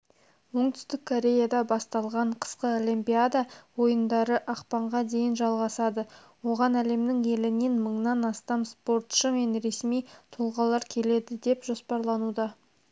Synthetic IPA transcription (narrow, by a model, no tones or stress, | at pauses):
wo̞ɴt̪ʏ̥st̪ɪkʰːo̞ɾʲe̞jad̪ɑbɑst̪ɑlˠʁɑɴqʰə̥sqəolimpʲiad̪ɑwo̞jənd̪ɑɾəʔɑqpɑɴʁɑd̪e̞jɪnʒɑlˠʁɑsɑd̪ə | wo̞ʁɑnæle̞mnɪŋe̞lɪnenməɴnɑnɑst̪ɑmspo̞ɾt̪ʃəme̞nɾe̞smijt̪ʰolˠʁɑlˠɑɾkʲʰe̞le̞d̪ɪd̪e̞pʒo̞spɑɾlˠɑnud̪ɑ